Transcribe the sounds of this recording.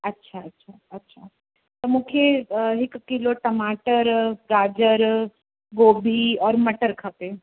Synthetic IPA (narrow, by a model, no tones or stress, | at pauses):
ɐtːʃʰaɐtːʃʰaːɐtːʃʰaː | t̪omʊkʰjeɦɪkːɪloʈɐmaːʈəɾɾaːd͡ʒəɾ | ɡoːbʱiɔːɾmɐʈəɾkʰɐpe